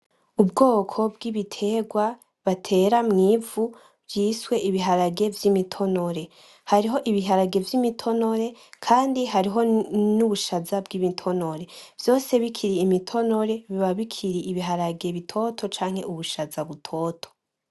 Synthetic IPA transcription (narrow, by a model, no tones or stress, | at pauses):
ubɡo̞ːkʰo̞bɡiβitʰe̞ɡwa | βatʰe̞ːɾamŋiːvu | vjiːswe̞ʔiβiɦaɾaɡe̞vjimitʰo̞noɾe̞ | haɾiɦo̞ʔiβiɦaɾaɡe̞vjimitʰo̞no̞ɾe̞kʰaːndiɦaɾiɦo̞nuβuʃazabɡimitʰo̞no̞ɾe̞v̥jo̞ːse̞βikʰiɾiːmitʰo̞no̞ɾe̞βiβaβikʰiɾiʔiβiɦaɾaɡe̞βitʰo̞tʰo̞t͡ʃaːŋ̥e̞ʔuβuʃazaβutʰo̞ːtʰo̥